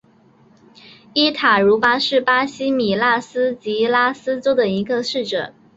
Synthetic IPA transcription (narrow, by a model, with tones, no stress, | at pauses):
i˥t̪ʰa˨˩ɻu˧˥fa˥ʂɻ̩˥˩pa˥ɕi˥mi˨˩la˥˩sɹ̩˥t͡ɕi˧˥la˥sɹ̩˥t͡so˥ʊd̪ə˨i˧˥ɡə˧ʂɻ̩˥˩ʈ͡ʂɤ˨˩˦